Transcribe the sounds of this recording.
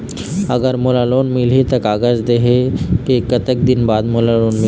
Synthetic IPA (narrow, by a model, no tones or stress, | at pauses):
əɡəɾmolaloːnmilit̪əkaːɡəd͡ʒd̪eɦekekːət̪ək̚d̪inbaːd̪molaloːnmɪ